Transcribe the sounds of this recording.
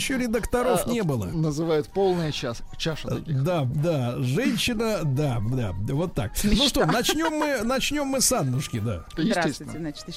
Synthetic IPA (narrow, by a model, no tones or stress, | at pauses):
ɕːoɾʲɪd̪əkt̪ɐɾo̞fnʲebɨlˠə̰nəzɨvajʊt̪po̞lˠnəjət͡ɕas | t͡ɕaʂd̪ad̪aʐɛnʲɕːɪnəd̪ad̪avo̞t̪ːa̰k̚mʲnuʂt̪onɐt͡ɕnʲo̞mːɨnɐt͡ɕnʲo̞mːɨsad̪ːʊʂkʲɪd̪a̰ | jɪsɾʲsesʲɪnat͡ɕt̪